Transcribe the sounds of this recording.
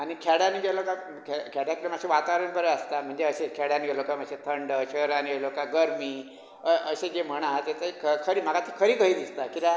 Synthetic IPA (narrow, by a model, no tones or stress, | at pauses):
anikʰɛɽjaniɡeloka | kʰkʰɛɽjakitamaɕeʋat̪aʋɾəɳpəɾəəst̪am̤əɳd͡zeəɕekʰɛɽjaniɡʱelokamaɕet̪ʰəɳɖəɕəɾanielokaɡəɾmiː | əʔəɕed͡ʑem̤əɳ̃aɦt̪jat͡saikʰəkʰəɾiːm̤aɡat̪ʰikʰəɾiːkəɦiːd̪ist̪akit̪a